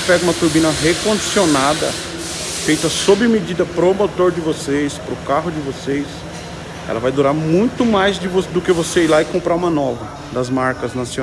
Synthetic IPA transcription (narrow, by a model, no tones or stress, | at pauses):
pɛɡũmɐt̪uɾbĩnɐɦekõd͡ʒisionad̪ɐ̰ | fejt̪ɐsobɪmed͡ʒid̪ɐpɾomot̪oɾd͡ʒɪvosejspɾʊkaɦʊd͡ʒɪvosejs | ɛ̰lɐvajd̪uɾaɾmũj̃t̪ʊmajzd͡ʒɪvod̪ʊkɪvoseilaɪkõmpɾaũmɐnɔvɐ | d̪ɐzmaɾkɐznasio